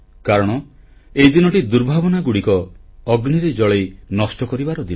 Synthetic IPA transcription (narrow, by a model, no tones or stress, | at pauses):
kaɾɔɽ̃ɔ | eid̪inɔʈid̪uɾbʱabɔnaɡuɽikɔːɡniɾed͡ʒɔɭejnɔsʈɔkɔɾibaɾɔd̪il